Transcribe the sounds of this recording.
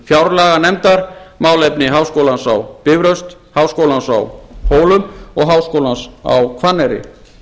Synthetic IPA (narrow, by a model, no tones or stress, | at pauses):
fjawɾlaːɣanɛmt̪aɾmaːwlɛjpnɪɦaːwskowlansawpɪvɾœwst̪ | haːwskoːwlansa̰whoːwlʏmɔɣɦaːwskowlansa̰wkʰvanːɛɾɪ̰